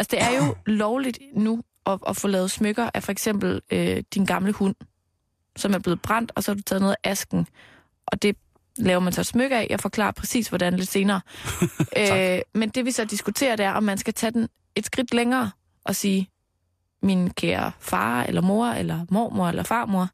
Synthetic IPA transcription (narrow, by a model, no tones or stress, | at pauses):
ælsd̥e̝æɐjo̝lɒʊlid̥nu | ʔɒ̽ʔɒfɔlɛːð̞̩ˠsmøɡ̥ɐʔæfɒ̽eɡ̥sem̰b̥l̩ød̥inɡ̥ɑ̈mləhun̰ | sɒ̽mæɐb̥le̝ːð̞̩ˠb̥ʁɑ̈n̰d̥ɒ̽sɒ̽hɑ̈d̥ut͡sʰɛðˠnoðˠæʔæsɡ̥n̩ | ʔɒ̽d̥e̝ | lɛːʊɐmænsɒsmøɡ̥ɐæ̰jɑfɒ̽kʰlɑ̰̈ːɐpʰʁɛsḭːsʋɒd̥ænle̝d̥se̝ːnɐː | ømend̥e̝ʋisɒ̽d̥isɡ̥ut͡sʰe̝̰ːɐd̥eæɐʔɒ̽mːænsɡ̥æt͡sʰɛd̥en | e̝d̥sɡ̥ʁid̥leŋɐː | ʔɒ̽siː | minkʰæːɐ̰fɑ̈ːḛlɐmo̝ɐelɐmo̰ːmo̝ɐelɐfɑ̈ːmo̝ɐ